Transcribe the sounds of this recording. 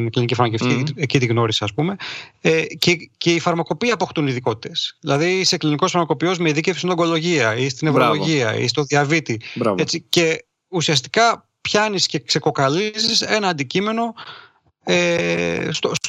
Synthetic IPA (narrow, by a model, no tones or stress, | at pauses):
inklinicifɐɾmɐceft̪iecit̪iɣno̞ɾisiɐspume̞ecece̞ifɐɾmɐko̞piɐːpo̞xt̪uniðiko̞t̪i̥t̪e̞sðilɐðisekliniko̞sfɐɾmɐko̞pio̞zmeiðicefsind̪oɡo̞lo̞ʝiɐist̪inevɾoloʝiɐḭst̪o̞ðiɐvit̪iɾave̞t͡sice̞ | usiɐs̬t̪i̥kɐ | pçɐnisce̞kse̞ko̞kɐlizise̞nɐːnd̪icime̞no̞ | est̪o